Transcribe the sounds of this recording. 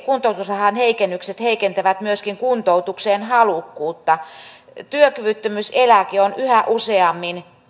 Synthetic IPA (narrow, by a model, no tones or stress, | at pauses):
kunt̪out̪usrɑhɑnheikenːykset̪heikent̪æʋæt̪myøskiŋkunt̪out̪ukseːnhɑlukːuːt̪ːɑ | t̪yøkyʋyt̪ːømyselækionyhæʔuseɑmːin